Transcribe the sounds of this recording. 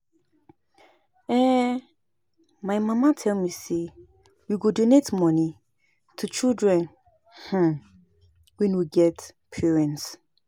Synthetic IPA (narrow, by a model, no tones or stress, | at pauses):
ɛ̃ | maɪmãmãtʰɛlmise | wiɡodonetmɔ̃ni | tʰut͡ʃildɹɛ̃n | h̩ | wɛ̃nwiɡɛtpʰɛɹɛ̃nts